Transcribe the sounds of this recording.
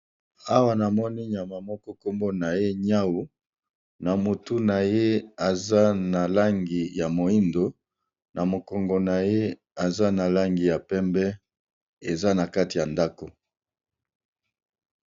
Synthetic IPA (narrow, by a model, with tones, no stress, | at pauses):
a˦wa˦na˨mɔ˦ni˦ɲ˨a˨ma˨mɔ˦kɔ˦ko˦mbo˦na˨je˦ɲa˦wu˦ | na˨mo˨tu˦na˨je˦a˨za˦na˨la˦ŋɡi˨ja˨mo˨i˦ndo˨ | nʔa˨mo˨kɔ˨ŋɡɔ˨na˨je˦ | a˨za˦na˨la˦ŋɡi˨ja˨pɛ˦mbɛ˦ | e˨za˦na˨ka˦ti˨ja˨nda˦ko˨